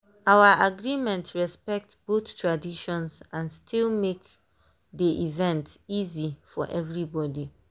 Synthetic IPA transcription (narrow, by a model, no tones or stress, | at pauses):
awəʔaɡɹimɛ̃ntɹɛspɛk̚tb̥oθtʰɹadiʃɔ̃nsãnstʰilˠmek | diʔivɛ̃ntizifɔ̰ʔɛvɹibɔdi